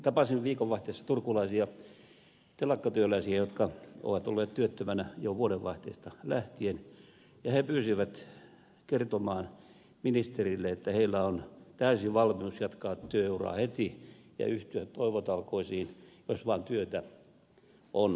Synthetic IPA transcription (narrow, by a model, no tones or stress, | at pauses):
t̪ɑpɑsiʋʋiːkoʋʋɑht̪eːsːɑ̥t̪urkulɑisiɑ | t̪elɑkːɑt̪yølæisiæjot̪kɑʔo̰ʋɑt̪olːeːt̪t̪yøt̪ːømænæjoʋuoɾeʋʋɑiht̪ḛist̪ɑlæht̪ien | jɑhepyːsiʋæt̪ | kert̪omɑːn | minist̪erilːeet̪ːæheilːæont̪æysiʋɑlmiusjɑt̪kɑːt̪ːyøeurɑ̰ːhet̪ijɑ̰yht̪yæt̪t̪oiʋot̪ɑlkoisiːnjosʋɑːnt̪yøt̪æ | ʔon